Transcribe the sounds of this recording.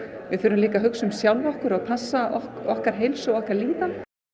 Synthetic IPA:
vɪðθʏːɾʏmliːkaɦʏksʏmsjawlvɔhkʏɾaðpʰasːaɔɔhkaɾ̥ɦejlsʏɔhkaɾliːt̪an

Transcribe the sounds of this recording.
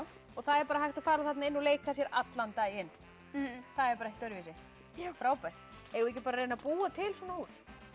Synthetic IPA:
ɔɣθaðɛɾpaːɾaɦajht̪afaːɾaθat̪naɪnːuleːjkasjɛɾat̪lant̪ajɪn | θaðɛɾpaɾjhkt̪œɾviːsɪ | fɾaːwpaɾ̥t̪ | ɛːɣʏɛcːɪpaːɾaɾreːjnapuːat̪ʰɪlswɔːnahuːs

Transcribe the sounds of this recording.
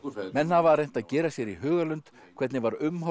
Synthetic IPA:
mɛnːhavaɾrejn̥t̪aðcɛːɾasjɛɾiɦœːɣalʏnt̪ | kʰvɛt̪nɪvaɾʏmɦɔ

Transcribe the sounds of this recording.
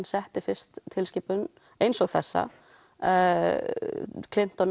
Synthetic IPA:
nsɛht̪ɪfɪr̥st̪ʰːɪlscɪːpʏn | ejnsɔɣθɛsːa̰ | kʰlɪn̥t̪ɔn

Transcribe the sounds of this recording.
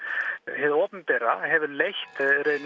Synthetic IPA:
ɦɛðɔːpnpɛɾaɦɛvʏɾlejht̪ɾeðn

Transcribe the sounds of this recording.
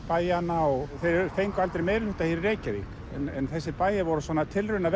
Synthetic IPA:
paːjanaɔɣθejɾɾθejŋkalt̪ɾɪmeːjɾlʏht̪ahiːɾreːjcavik | ɛ̰nɛnθɛsːɪpaːjɪvɔɾʏsvɔːnat̪ʰɪlrʏnav

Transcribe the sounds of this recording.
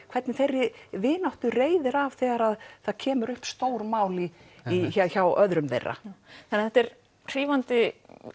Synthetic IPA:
kʰvɛt̪nɪθerːɪvɪːnawht̪ʏreːjðɪɾav̥θɛːɣaɾaðθaðcʰɛːmʏɾʏhpst̪owɾmaːwliiçaçawœðɾʏmvḛjrːa̰θanɛaθɛt̪ɛɾ | r̥iːvant̪ɪ

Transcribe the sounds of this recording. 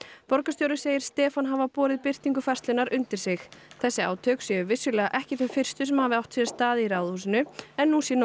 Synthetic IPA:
pɔɾkast̪jowɾɪseːjɪɾ̥st̪ɛːfanɦavapɔːɾɪðpɪr̥t̪iŋkʏfar̥t̪lɪnaɾʏnt̪ɪɾ̥sɪxθɛsːɪa̰ːwt̪ʰœksjɛʏvɪsːʏlɛːɣaʔɛhcɪθɛfɪr̥st̪ʏsɛmhavɪawht̪sjɛɾ̥st̪aːðɪiɾaːwðhuːsɪnʏɛnːusjɛn

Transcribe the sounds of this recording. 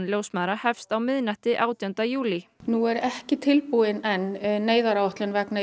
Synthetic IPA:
nljoːwsmaðɾahɛfst̪awmɪðnaht̪ɪʔaːwt̪iœnt̪ajuːlinuɛɾɛhcɪt̪ʰɪlpuɪnɛnːeːjðaɾawaht̪lɪnvɛkna

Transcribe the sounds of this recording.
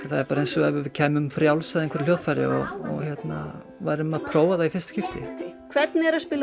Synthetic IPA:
θaðɛɾpaːɾaejnsɔɛvʏɾvɪðcʰɛːmʏmfɾjawlsaðeŋkʰɛɾ̥ljoːðfaɾɪ̰ɔ̰ɣɔ̰ɣçjɛt̪na̰ | vajɾʏmaðpʰɾoːwvaðaifɪr̥st̪scɪft̪ɪ̰kʰvɛt̪nɛɾaðspɪːl

